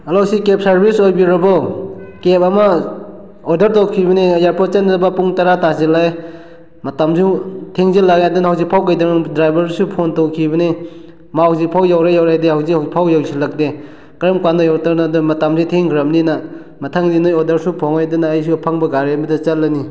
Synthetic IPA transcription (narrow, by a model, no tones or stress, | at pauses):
ɐlowsikep̚sɐɾbisojbiɾɐbawkepɐmɐ | odɐɾtowkʰibɐniɐjaɾpʰɔt͡ʃanɾabapuŋtaɾatazilaj | mɐtamzutʰeŋzilakajdunhawzik̚pʰawkajdanŋdɾajbɐɾsupʰontowkʰibɐni | maawzik̚pʰawjawɾajawɾajdehawzikhpʰawjawsilak̚de | kɾɐmkwanajawtaɾnadɐmɐtamzitʰeŋɡɾɐmnina | mɐtʰaŋdinojɔdɐɾsupʰɔŋajdunaːjsupʰaŋbɐɡaɾemidɐt͡ʃɐtlani